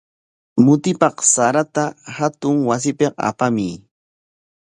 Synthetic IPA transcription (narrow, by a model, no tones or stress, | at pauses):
mʊt̪ɪpɑqsaɾat̪ahat̪ʊŋwas̬ɪpeqa̰pamiː